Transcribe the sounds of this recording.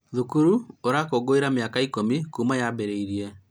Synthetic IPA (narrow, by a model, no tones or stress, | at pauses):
ðukuɾuoɾakoɡoiɾameakaikomikumajabeɾeiɾiɛ